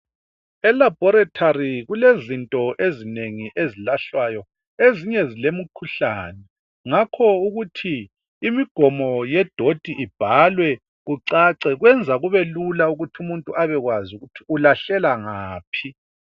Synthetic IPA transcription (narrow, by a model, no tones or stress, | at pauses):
ɛlab̥ʱɔɾatʰariɣulezintʼɔʔezineŋiʔezilaɬwajɔ | eziɲɛzilemukʰuɬaːnɛ | ŋakʰɔuɣutʰiː | miɡ̥ʱɔmɔjɛd̥ʱod̥ʱiʔib̥ʱalwɛ | ɣuǀaǀɛɣwɛnd͡zʱaɣuβelulauɣutʰumuntʼuʔaβɛɣwazuɣutʰi̥ulaɬɛlaŋaːpʰi